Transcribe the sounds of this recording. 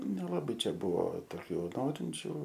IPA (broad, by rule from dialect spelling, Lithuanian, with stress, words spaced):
nʲɛlˠɐˈbɐɪ ˈt͡ʃʲɛ ˈbʊʋoː toːˈkʲuː ˈnoːrʲɪnʲt͡ʃʲuː